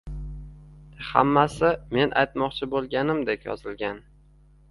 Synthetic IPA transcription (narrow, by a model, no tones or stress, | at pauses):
ha̰mːasɪme̞nʔajt̪mɒqt͡ʃʰɪbolˠɡʲanɪmd̪ekʲjɒ̰zɪlɡʲan